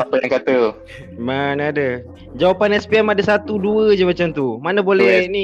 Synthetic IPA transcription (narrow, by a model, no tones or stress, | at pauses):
apajaŋkat̪ə | manaadə | d͡ʒawapanɛspiɛmadasat̪uduəd͡ʒamat͡ʃamt̪umanabolɛni